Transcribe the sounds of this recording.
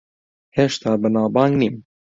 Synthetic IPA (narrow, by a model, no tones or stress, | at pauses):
heʃt̪ʰɑːbɨnɑːbɑːŋɡniːm